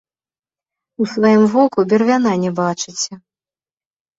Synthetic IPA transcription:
usvajimvɔkubʲɛrvʲan̪anʲɛbat͡ʂɨt͡sʲɛ

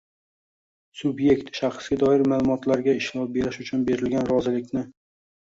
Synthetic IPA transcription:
sʊbje̞kt̪ʃaχsɡʲad̪ɒɪɾmalˠʊmɒt̪laɾɡʲaɪʃlɒp̚be̞ɾɪʃʊt͡ʃʰʊnbe̞ɾɪlɡʲanɾɒzɪlɪkʲnɪ

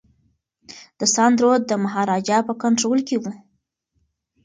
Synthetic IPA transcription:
d̪̥əsɑnd̪ɾod̪ːəmaɦɑɾɑd͡ʒɑpəkaɳʈɾolkewu

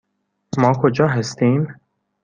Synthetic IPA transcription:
mɒːkʰod͡ʒɒːɦæst̪iːm

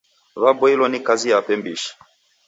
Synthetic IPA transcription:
βabɔilɔnikazijapɛmbiʃi̥

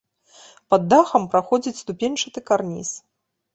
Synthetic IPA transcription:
pɐd̪ːaxɐmpɾaxɔd͡zʲit͡sʲst̪upʲenʲt͡ʂɨt̪ɨkarnʲḭs

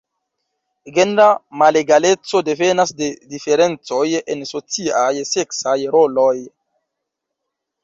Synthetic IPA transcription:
ɡendamaleɡale̞t͡so̞de̞ve̞nasde̞dife̞ɾe̞nt͡so̞jenso̞t͡siajse̞ksajɾo̞loj

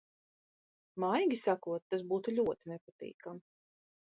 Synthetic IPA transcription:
majɡʲisakuɔt̪ːasbuːt̪uʎʲuɔt̪inɛpat̪ḭːkam

